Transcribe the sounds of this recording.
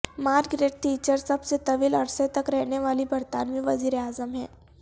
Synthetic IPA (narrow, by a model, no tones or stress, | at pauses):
maːɾɡɾeːɖ̚ʈiːt͡ʃəɾsɐbset̪ɐʋiːlɐɾset̪ɐkɾɛɦneʋaːlibɐɾt̪aːnmẽʋɐziːɾeaːzəmɦɛ̰ː